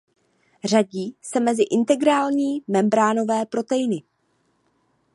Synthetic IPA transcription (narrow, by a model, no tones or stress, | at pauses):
r̝aɟiːsɛmɛzɪʔɪnt̪ɛɡɾaːlɲiːmɛmbɾaːno̞vɛːpɾo̞t̪ɛjɪnɪ